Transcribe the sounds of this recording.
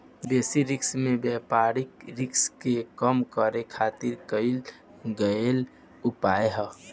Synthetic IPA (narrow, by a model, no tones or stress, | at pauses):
b̪eːsiɾɪksmẽbɛpaɾikɾɪkskekəmkəɾekʰat̪iɾkəɪl | ɡəel | upaeɦə